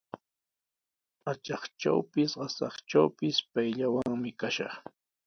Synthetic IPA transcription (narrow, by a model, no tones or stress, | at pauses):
at͡ʃɑχt͡ʃa̰wpɪsɢɑsɑχt͡ʃawpɪspajʎawaŋmɪkaʃɑ̰χ